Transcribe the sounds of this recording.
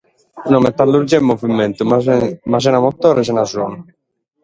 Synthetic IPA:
nɔmɛt̪ːalːuɾd͡ʒɛmːɔvimːɛnt̪umazɛnamɔt̪ːɔːɾɛs̬ɛnazɔn

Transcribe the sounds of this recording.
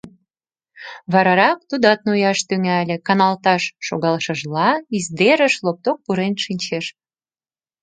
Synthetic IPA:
βɑɾɑɾɑk̚t̪ud̪ɑt̪̚nujɑʃt̪yŋælʲĕkɑnɑlt̪ɑʃːoɣɑlʃəʒlɑizd̪eɾəʃlop̚t̪ok̚puɾenʃinʲt͡ɕeʃ

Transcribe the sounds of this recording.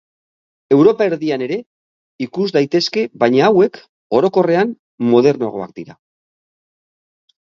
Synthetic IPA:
e̞wɾo̞pae̞ɾðiane̞ɾe̞ | ikuzd̪ajt̪e̞ske̞βajɲaːwe̞k | o̞ɾo̞ko̞re̞an | mo̞ð̞e̞ɾno̞ɣ̞o̞̰a̰k̚d̪iɾa

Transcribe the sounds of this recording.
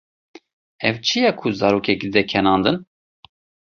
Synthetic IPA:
ɛvt͡ʃʰijɛkʰuzɑːɾoːkɛk̪̚id̪ɛkʰɛnɑːnd̪ɨn

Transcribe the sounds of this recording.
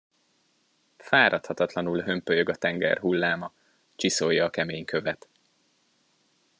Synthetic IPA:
faːɾʔɒt̪hɒt̪ɒt̪lɒnulɦø̞mpøjøɡɒt̪ɛŋɡɛ̰rɦulːaːmɒ | t͡ʃisojːɒːkɛmeːɲkʰø̞vɛt̪

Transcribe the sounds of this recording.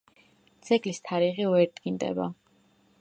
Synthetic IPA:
t̪sʰɛkʼlist̪ʰaɾiʁiɔɛɾd̪ɡind̪ɛ̰ba̰

